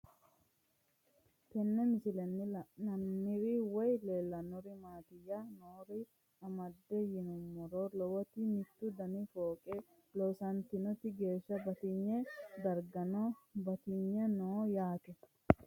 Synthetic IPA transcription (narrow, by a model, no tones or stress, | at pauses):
t̪ɛnːɛmɪsɪlɛnːɪlnɐnːɪɾiwɔjleːlːɐnɔɾɪmaːt̪ɪjanoːɾɪ | ɐmɐd̪ːɛjɪnʊmːɔɾolɔwɔt̪ɪmɪt̪ːʊd̪ɐnifoːkʼɛ | lɔsɐnt̪ɪnɔt̪ːɪɡe̞ːʃːɐbɐt̪ɪɲːɛd̪ɐɾɡɐnɔbɐt̪ɪɲːɛnoːjaːt̪ɛ